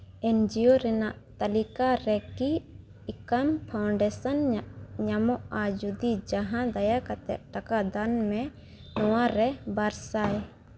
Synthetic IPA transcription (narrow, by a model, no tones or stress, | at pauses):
ɛnd͡ʒioɾɛnaʔt̪alikaɾɛki | ikampʰawɳɖɛsanɲamɔʔad͡ʒud̪id͡ʒaɦãd̪ajakat̪ɛ̰ʔʈakad̪anmɛ̃ | nɔwaɾɛbaɾsaj